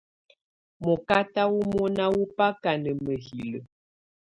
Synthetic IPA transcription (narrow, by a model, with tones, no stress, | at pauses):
mɔ˨ka˦ta˦wu˦mɔ˦na˦wu˦pa˦ka˨nə˨mə˨hi˨lə˨